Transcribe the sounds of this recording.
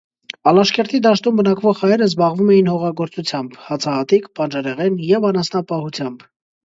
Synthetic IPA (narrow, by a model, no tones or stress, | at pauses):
ɑlɑʃkɛɾt̪ʰid̪ɑʃt̪umbənɑkvɔʁhɑjɛɾəzbɑʁvumɛjinhɔʁɑɡɔɾt͡sut͡sʰjɑmbhɑt͡sʰɑhɑt̪ikpɑnd͡ʒɑɾɛʁɛnjɛvɑnɑsnɑpɑhut͡sʰjɑmb